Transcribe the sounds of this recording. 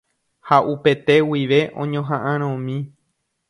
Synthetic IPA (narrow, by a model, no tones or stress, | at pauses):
haʔupe̞t̪e̞wiʋe̞ʔõ̰ɲõɦãʔãɾ̃õmĩ